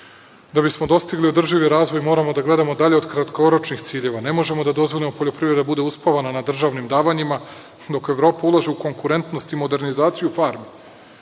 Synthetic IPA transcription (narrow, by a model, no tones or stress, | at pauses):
d̪abismo̞d̪o̞st̪iɡlio̞d̪r̩ʒiʋiɾaːzʋo̞jmo̞ːɾamo̞d̪aɡle̞d̪amo̞d̪aʎeo̞d̪kɾat̪ko̞ɾot͡ʃnixt̪siːʎe̞ʋane̞mo̞ʒe̞mo̞d̪ad̪o̞zʋo̞ʎʲimo̞poʎo̞pɾivɾed̪abud̪e̞uspaʋananad̪r̩ʒaʋnimd̪aːʋaɲima | d̪o̞ke̞ʋɾo̞ːpaulˠaʒeuko̞ŋkuɾe̞nt̪nost̪imo̞d̪e̞ɾnizaːt̪sijufaːɾmi